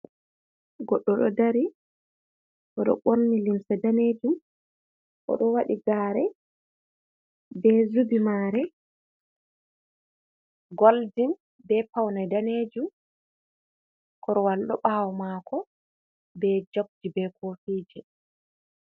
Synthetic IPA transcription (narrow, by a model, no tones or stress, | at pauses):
ɡɔɗːɔɗɔ̰daɾi | ʔɔɗɔ̰ɓoɾnilimsɛdaneːd͡ʒum | ʔɔ̰ɗɔwaɗiɡaːɾɛ | bɛzubimaːɾɛ | ɡoldin | bɛpawnadaned͡ʒum | kɔɾɔwalɗɔɓawɔmaːkʰɔ | bɛd͡ʒok̚d͡ʒibɛkʰofiːd͡ʒɛ